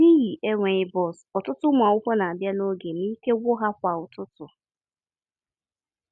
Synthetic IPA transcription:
ni˦ɣi˨ʔe˦ŋʷe˨ɪ˦bɔ˦˨sɔ˨tʊ˦tʊ˦mʷ˨a˨ʊ˦kʷo˦na˨a˨bja˦no˦ɡe˨ni˦ke˦wʷʊ˦ɦa˦kʷa˨ʊ˨tʊ˦tʊ˨

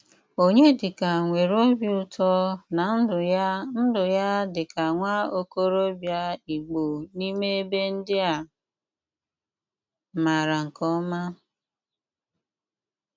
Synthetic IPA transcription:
o˦ɲe˦dɪ˨ka˨ŋʷe˨ɾo˦bjʊ˦tʰɔ˦na˨n̩˦ʊ˨a˦n̩˦dʊ˨ja˦dɪ˨ka˨ŋʷa˦o˦ko˦ɾo˦bja˦i˨ɡ͡bo˨ni˦me˦e˦be˦n̩˦dɪ˦a˨ | ma˨ɾa˨ŋ̩˨kɔ˦ma˦

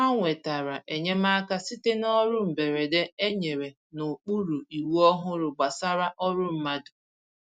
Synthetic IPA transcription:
a˦ŋʷe˨ta˨ɾa˨ʔe˨ɲe˦ma˦ka˦si˦te˦nɔ˦ɾʊ˦m̩˨be˨ɾe˨de˦e˦ɲe˨ɾe˨ | nʊ˨k͡pu˦ɾu˨i˨wu˦ɔ˦ɦʊ˦ɾʊ˨ɡ͡ba˨sa˦ɾa˦ʔɔ˦ɾʊ˦m̩˦ma˦dʊ˨

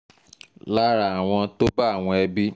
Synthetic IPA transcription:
la˦ɾa˨a˨w̃ɔ̃˧to˦ba˦a˦˨w̃ɔ̃˧ɛ˧bi˦

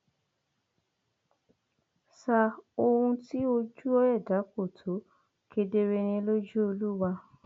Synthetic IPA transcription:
sa˧˨o˧hũ˧ti˦o˧d͡ʒu˦ɔ˦jɛ˦˨da˨˦ko˦˨tʰo˨˦ | kʰe˧de˧ɾe˧ñĩ˧lo˦d͡ʒu˦o˧lu˦wa˧

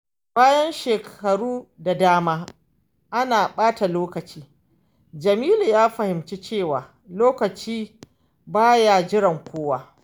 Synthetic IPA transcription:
baː˦jɐ˦nʃeː˨kʰɐ˨ɽuː˦da˨daː˦maː˦ | ʔa˦naː˨ɓaː˦ta˨loː˦kɐ˨t͡ʃiː˦ | d͡ʒɐ˨miː˦lu˨jaː˦ɸɐ˨hɪ˨mt͡ʃi˦t͡ʃeː˦˨waː˨ | loː˦kɐ˨t͡ʃiː˦ | baː˦ja˨d͡ʒɪ˦ɾɐ˨ŋkʷoː˦waː˦

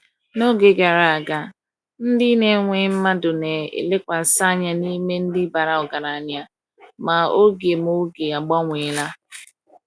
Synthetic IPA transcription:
no˦ɡe˨ɡa˨ɾa˨a˨ɡa˦ | n̩˦dɪ˦ne˨˦ŋʷe˨˦m̩˦ma˦dʊ˨ne˨ḛ˨le˦kʷa˨sa˦ɲa˦ni˦me˦n̩˦dɪ˦ba˨ɾa˨ɔ˨ɡa˨ɾa˨ɲ˦a˦ | ma˨o˦ɡje˨m˦o˦ɡe˨a˨ɡ͡bɔ˦ŋʷe˨˦la˦

